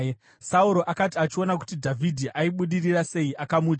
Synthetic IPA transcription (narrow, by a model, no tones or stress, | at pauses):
sauɾo̞ʔakatiat͡ʃio̞naku̥tidʱavʱidʱiʔaiɓuɗirirase̞iʔakamuːd͡ʒ